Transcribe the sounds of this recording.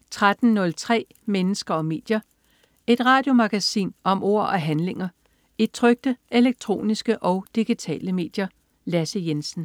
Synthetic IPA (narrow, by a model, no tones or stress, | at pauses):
t͡sʰʁad̥n̩nɔ̽lt͡sʰʁɛ̰ː | menəsɡ̥ɐɒ̽me̝ːd̥jɐ | e̝d̥ʁɑ̈ːd̥jo̝mɑ̈ɡ̥æsḭːnɒ̽mʔo̝̰ɐ̰ɒɦænle̝ŋɐ | e̝d̥̚t͡sʰʁœɡ̥̚d̥əʔe̝leɡ̥̚t͡sʰʁo̝̰ːnisɡ̥əʔɒ̽ʊd̥iɡ̥it͡sʰɛ̰ːləme̝̰ːd̥jɐ | læsəjensn̩